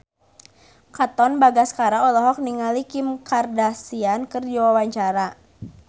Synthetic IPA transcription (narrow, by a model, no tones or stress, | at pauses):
kat̪ɔnbaɡaskaɾaɔlɔɦɔk̚niŋalikimkardasiankərd͡ʒawawaɲt͡ʃaɾa